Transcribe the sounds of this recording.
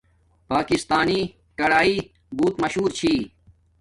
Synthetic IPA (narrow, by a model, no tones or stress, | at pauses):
paːkist̪aːni | ʈɐɽaːiː | buːt̪mɐɕɦuːɾt͡ɕʰiː